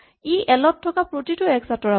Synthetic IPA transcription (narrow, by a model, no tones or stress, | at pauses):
iʔɛlɔtʰːɔkapɹotitʊɛksatɔɹa